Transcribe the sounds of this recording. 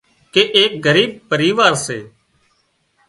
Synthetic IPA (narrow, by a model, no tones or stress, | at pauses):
keːʔeːk̚ɡəɾiːb̚pəɾiːʋaːɾsḛː